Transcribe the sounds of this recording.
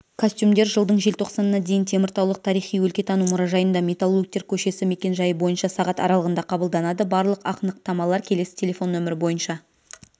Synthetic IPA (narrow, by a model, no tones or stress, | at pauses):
kʰosʲt̪ʲjumd̪e̞ɾʒəlˠd̪əɴʒe̞lt̪ʰo̞qsɑnənɑd̪e̞jɪnt̪ʰe̞mɪɾt̪ɑwlˠəq̚t̪ʰɑɾijχijwɵlkʲe̞t̪ʰɑnumʊɾɑʒɑjənd̪ɑmʲe̞t̪alˠːuk̚t̪e̞ɾkʲʰɵʃe̞sɪme̞kʲe̞nʒɑjəbo̞jənʃɑsɑʁɑt̪ɑ̰ɾɑlˠəʁənd̪ɑqʰɑbəlˠd̪ɑnɑd̪əbɑɾlˠəqɑqənəq̚t̪ɑmɑlˠɑɾkʲʰe̞le̞sɪ̥t̪ʲʰe̞lʲefo̞nːɵmɪɾɪbo̞jənʃɑ